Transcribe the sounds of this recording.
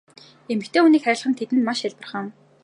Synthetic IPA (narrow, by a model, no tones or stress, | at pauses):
emɘ̆kt̪ʰeːuːniːkχæɾʲɪ̆ɮχə̆nt̪ʰet̪ɘ̆nmaʃaɮpə̆rχə̆m